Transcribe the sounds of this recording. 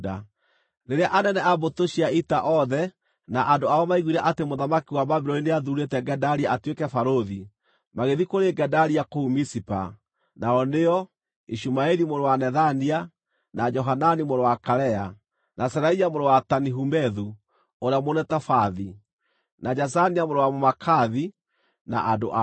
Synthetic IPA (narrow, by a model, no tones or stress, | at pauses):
da | neɾeaʔanɛnɛabotoʃiaitaʔɔðɛ | naʔandoaɔmaiɣuiɾɛʔatemoðamakiwamaβiɾɔineaðuɾetɛɡɛdaɾiaatwekɛfaɾoði | maɣeðikoɾeɡɛdaɾiakoumisipa̰ | naɔneɔ | iʃumaɛɾimoɾowanɛðania | nad͡ʒɔɦananimoɾowakaɾɛa | nasɛɾaiamoɾowataniɦumɛðu | oɾeamonɛtafaði | nad͡ʒas̬aniamoɾowamomakʰaði | na̰ʔadoʔa